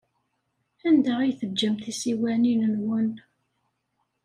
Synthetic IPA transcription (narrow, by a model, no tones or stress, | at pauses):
ænd̪æʁijθəd͡ʒːəmθisiwæninənwən